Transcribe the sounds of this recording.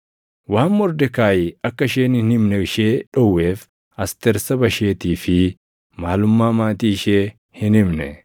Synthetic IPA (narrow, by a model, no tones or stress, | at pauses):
waːmːɔɾd̪ɛkaːjɪɐkːɐʃeːnɪnɪmnɛɪʃeːᶑɔwːe̞ːf | ɐst̪ɛɾsɐbɐʃe̞ːt̪iːfɪ | maːlʊmːaːmaːt̪iːɪʃeː | hɪnɪmnɛ̰